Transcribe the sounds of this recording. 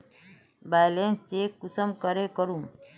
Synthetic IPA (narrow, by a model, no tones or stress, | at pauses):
bajlenst͡ʃekusəmkəɾekəɾum